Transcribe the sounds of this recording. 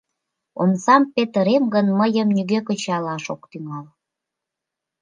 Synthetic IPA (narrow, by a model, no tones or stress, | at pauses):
o̰msɑmpet̪əɾemɡənməjəmnyɣøkə̆t͡ɕɑlɑʃokt̪yŋɑl